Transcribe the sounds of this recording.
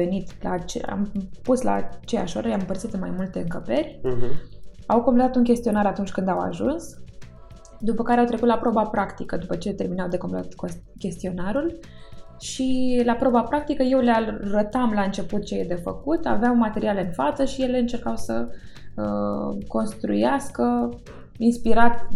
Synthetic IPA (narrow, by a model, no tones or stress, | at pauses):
enit̪la̰t͡ʃea̰mpusla̰ːt͡ʃe̞ja̰ʃo̞̰ɾəljammpərt̪sit̪ɨnmajmult̪e̞ɨŋkəpe̞rʲ | awkomple̞t̪at̪unkʲe̞st̪io̞naɾat̪unt͡ʃʲkɨnd̪awa̰ʒuns | d̪upəkaɾeawt̪ɾe̞kut̪lapɾo̞bapɾakt̪ikəd̪upət͡ʃe̞t̪e̞rminawd̪e̞komplet̪at̪ko | kʲe̞st̪io̞naɾul | ʃilapɾo̞bapɾak̚t̪ikəje̞wlearət̪amlaɨnt͡ʃe̞put̪̚t͡ʃejed̪e̞fəkut̪a̰veawmat̪e̞ɾiale̞ɨnfat̪səʃije̞le̞ɨnt͡ʃe̞rkawsə | əko̞nst̪ɾṵjaskə | inspiɾat̪